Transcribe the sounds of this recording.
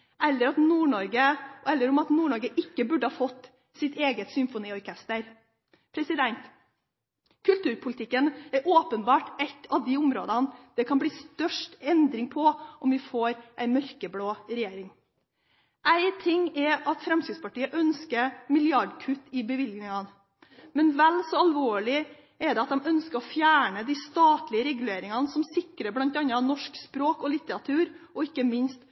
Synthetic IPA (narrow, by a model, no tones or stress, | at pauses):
ʔɛlːəɾɑt̪nuːɳɔɾɡəɛlːəɾɔmɑt̪nuːɳɔɾɡəʔɪkːəbʉɖəhɑːfɔt̪ː | sɪt̪ʰeːɡət̪sʏmfʊniːɔɾkʰɛst̪əɾ | pʰɾɛsɪd̪ɛnt̪ | kʰʉlt̪ʉːɾpʰʊlɪt̪ʰɪkːənæɾʔoːpənbɑːʈɛt̪ʰɑʋd̪ɪʊmɾoːd̪ɑnd̪̥ɛkʰɑnbliːst̪œʂʈɛnd̪ɾɪŋpʰɔʔɔmʋɪfoːɾʔæɪmœɾkəbloːɾɛjeːɾɪŋ | ʔæɪt̪ʰɪŋɛɑt̪fɾɛmskɾɪd̪spɑʈiːəʔœnskəmɪlɪɑɖkʰʉt̪ːɪbəʋɪlɡnɪŋɑn | mɛnʋɛlsɔɑlʋoːɭɪ | ɛɖ̪ɛɑt̪̚d̪ɛmœnskəɾɔfjæːɳəd̪iːst̪ɑːt̪lɪəɾɛɡʉleːɾɪŋɑnsɔmsɪkɾəblɑnt̪ɛɑnːɑnɔʂkspɾoːkɔlɪt̪ːəɾɑt̪ʰʉːɾɔɪkːəmɪnst̪